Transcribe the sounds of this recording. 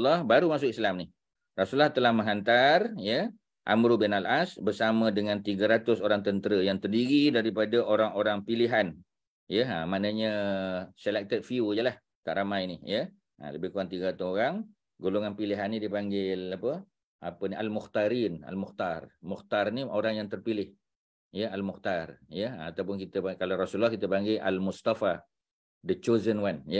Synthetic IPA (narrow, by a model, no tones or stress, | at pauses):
lɔhbaɾumasʊkislamnih | rasulːɔht̪əlahmə̃ŋɦant̪arjə | ʔa̰mɾubɪnalʔasbərsamə̃dəŋãnt̪iɡəɾat̪ʊsoɾaŋt̪ənt̪əɾəjaŋt̪ərdiɾidaɾipadaʔoɾaŋoɾaŋpiliɦan | jəə̰manəɲəsəlɛk̚t̪ət̚fiujəlah | t̪a̰ʔɾamajnihjə | ə̰ləbɪhkuaŋt̪iɡat̪uoɾaŋ | ɡoloŋanpiliɦanːidipaŋɡɪlapə | apənialmʊxt̪aɾina̰lmʊxt̪armuxt̪arniʔoɾaŋjaŋt̪ərpilɪh | jəalmʊxt̪arjəat̪awp̬ʊnkit̪əakalaɾasulɔhkit̪əpaŋɡɪʔa̰lmust̪afa | dət͡ʃozənwanjə